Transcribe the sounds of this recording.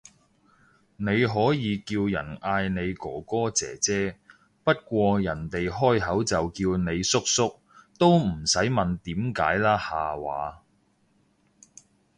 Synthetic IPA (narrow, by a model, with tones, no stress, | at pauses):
ne˨˧jɦɔː˨˥jiː˨˧kiː˧wjɐ̰˨˩naː˧jne˨˧jkɔː˨˥kɔː˥t͡sɛ̰ː˨t͡sɛː˥ | pɐ˥t̚kʷɔː˧jɐ˨˩nt̪e˨jɦɔː˥jɦɐ˨˥wt͡sɐ˨wkiː˧wne˨˧jsʊ˥k̚sʊ˥k̚ | t̪o˥wm̩˨˩sɐ˨˥jmɐ˨nt̪iː˨˥mka̰ː˨˥jlaː˥haː˨wa̰ː˨˧